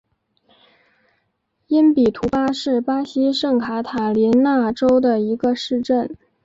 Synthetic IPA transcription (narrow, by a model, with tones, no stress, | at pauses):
i˥npi˨˩t̪ʰu˧˥pa˥ʂɻ̩˥˩pa˥ɕi˥ʂɤ˥˩ŋkʰa˧˥t̪ʰa˨˩li˧˥nna˥˩ʈ͡ʂo˥ʊd̪ə˨i˧˥ɡə˧ʂɻ̩˥˧ʈ͡ʂə˥˩n